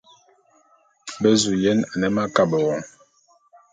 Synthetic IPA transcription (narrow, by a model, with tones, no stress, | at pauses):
bɛ˦zu˨jɛ˦na˨nɛ˦ma˦ka˨bə˨wɔ˨ŋ